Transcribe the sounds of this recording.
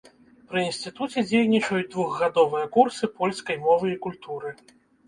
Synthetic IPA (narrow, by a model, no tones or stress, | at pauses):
pɾɨinsʲt̪ɨt̪ut͡sʲɛd͡zʲejnʲit͡ʂɐjud͡zʲd̪vuɣɣad̪ɔvɨjɐkursɨpɔlʲskɐjmɔvɨikulʲt̪uɾɨ